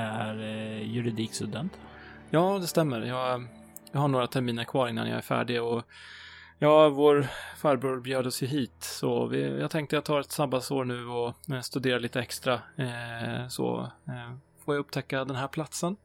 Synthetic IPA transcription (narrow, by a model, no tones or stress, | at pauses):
æɾjɵɾɪd̪iːkst̪ɵd̪ɛnt̪jɑːd̪ɛst̪ɛmːəɾjɑːɡ | jɑːɦhaɳoːɾat̪ʰæɾmiːnəɾkʰvɑːɾɪŋna̰njɑ̰ːæ̰ɾfæ̰ːɖɪɔ | jɑːvoːɾfæːɾbɾuːɾbjøːd̪əɔsjɵɦiːt̪sɔ̰vɪ̰jɑ̰ːɡt̪ʰɛŋkt̪əjat̪ʰːɑːɛt̪sabasoːɾɳʉ̟ːɔst̪ɵd̪eːɾaliːt̪əɛkst̪ɾa | sɔ̰ː | foːjaɵpːt̪ʰɛkːad̪ɛnɦæːɾpʰlat̪sən